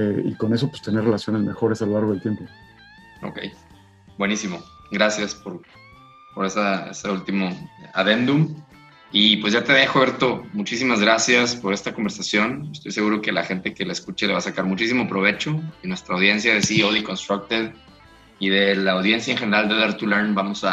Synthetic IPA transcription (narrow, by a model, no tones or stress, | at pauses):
eḭko̞ne̞s̬ope̥st̪eneɾrelasjo̞nezme̞xo̞ɾe̞salolaɾɣelt̪jempo | o̰ke̞̰j | bwe̞nisimo̞ | ɡɾasjaspo̞ɾ | po̞ɾe̞saḛseult̪imo̞aðe̞nd̪um | ipwe̞zʝat̪e̞ðajxoβe̞ɾt̪o̞mut͡ʃisimazɣɾasjaspo̞ɾe̞st̪akombeɾsasjo̞nest̪o̞jse̞ɣuɾo̞ke̞laxe̞nt̪e̞ke̞laeskut͡ʃele̞βasakaɾmut͡ʃisimo̞pɾo̞β̞e̞t͡ʃo̞ðenwe̞st̪ɾaːwðje̞nsjaðesioðiko̞nst̪ɾak̚t̪eð | iðe̞laːwðje̞ns̬jaeŋxe̞neɾald̪eðeɾt̪uleɾnbamo̞sa